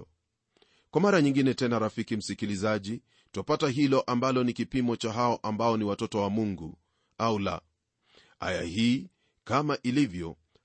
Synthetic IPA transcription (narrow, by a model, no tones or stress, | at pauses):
kwamaɾaɲiŋɡinɛtɛnaɾafikim̩sikilizaʄi | tɔpataɦilɔʔambalɔnikipimɔt͡ʃaɦaɔʔambaɔniwatɔtɔwamuŋɡu | aula̰ | ha̰ja̰hiː | kamaʔilivjɔ